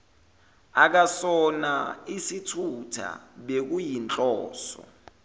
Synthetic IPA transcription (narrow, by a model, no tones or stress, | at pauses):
ak̬asɔna̰isitʰutʰa̰ɓek̬ujint͡ɬʼɔːsɔ̰